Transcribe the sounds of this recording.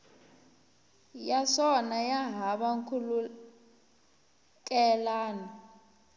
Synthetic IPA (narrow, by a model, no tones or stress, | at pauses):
jasɔnajaɦaɓaŋkʰulu | kʼɛlaːnɔ